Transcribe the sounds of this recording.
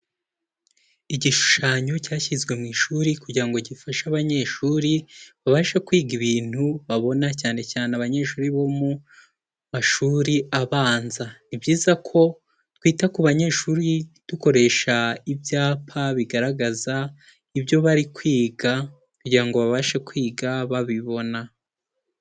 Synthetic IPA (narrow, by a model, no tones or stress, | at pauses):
iɟiʃu̥ʃaːɲo̞caːçizɡwe̞mŋiːʃuːɾikuɟiɾaŋɡo̞ɟifaʃaβaɲe̞ːʃuːɾiβaβaʃakwiːɡiβiːn̥huβaβo̞nacaːne̞caːneaβaɲe̞ʃuːɾiβo̞mu | maʃuːɾiʔaβaːnzanibɟiːzakʰo̞ | twiːtakuβaɲe̞ːʃuːɾid̥uko̞ɾe̞ːʃaibjaːpʰaβiɡaɾaɡaza | ibjo̞βaɾikwiːɡa | kuɟiɾaŋɡo̞βaβaʃakwiːɡaβaβiβo̞na